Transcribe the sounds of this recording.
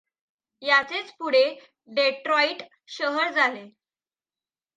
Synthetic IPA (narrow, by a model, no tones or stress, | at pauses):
jat͡set͡spuɽ̤e | ɖeʈɾɔiʈ | ɕəɦəɾd͡zale